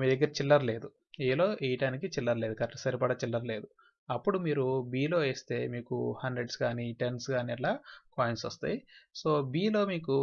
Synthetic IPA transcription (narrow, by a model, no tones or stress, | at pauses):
miːd̪ɐɡːɐɾit͡ʃilːɐɾle̞ːd̪u | eːlo̞ːʔijʈaːnikit͡ʃilːɐɾle̞ːd̪ukɐɾʈːɐsɐɾipɐɽɐt͡ʃilːɐɾle̞ːd̪u | ɐpːuɽumiːɾubiːlo̞ːeːst̪e̞ːmiːkṵhɐndɾeɖsɡaːniʈensɡaːniɐllaːkaːjensʋɐst̪a̰ːjiso̞ːbiːlo̞ːmiːk̬u